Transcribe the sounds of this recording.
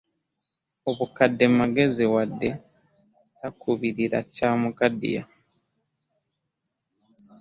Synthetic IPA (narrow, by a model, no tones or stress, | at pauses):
oβukadːemaɡe̞ziwadːe̞ | takʰuβiɾiɾa̰caːmuɡadḭja̰